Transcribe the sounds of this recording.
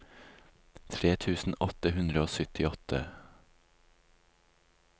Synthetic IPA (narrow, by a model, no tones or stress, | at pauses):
t̪ʰɾeːt̪ʰʉːsn̩ɔt̪əɦʉnd̪ɾəoːsʏt̪ʰɪɔt̪ʰə